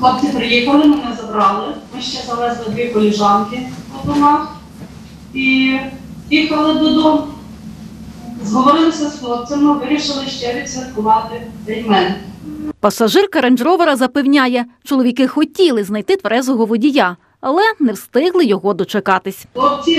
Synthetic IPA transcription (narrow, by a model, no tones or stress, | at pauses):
lˠɔp̚t͡sʲipɾɪjixɐlˠɪmɪnɛzɐbɾɑlˠɪmɪʃt͡ʃɛzɐlɛzlˠɪd̪ʋʲikɔlʲɪʒɑnkɪpɐd̪ɔmɑx | i | jʲixɐlˠɪb̪ud̪ʊ | zɦɔʋɔɾɪlˠɪsʲɐsklˠɔp̪̚t͡s̪ʲɛmɪʋɪɾʲiʃɪlˠɪʃt͡ʃɛɾʲit̪sʲirkʊʋɑt̪ɪt̪ɛjmɛnpɐsɐʒɪrkɐɾɐnʲd͡ʒɾɔʋɐɾɐzɐpewnʲajɛt͡ʃɔlˠɔʋʲikɪxɔtʲilˠɪznɐjt̪ɪt̪ʋɐɾɛzʊɦɔʋʊdʲija | ɐlˠɛnɛwst̪ɪɦlˠɪjɔɦɔd̪ɔt͡ʃekɑt̪ɪsʲlˠɔp̚t͡sʲi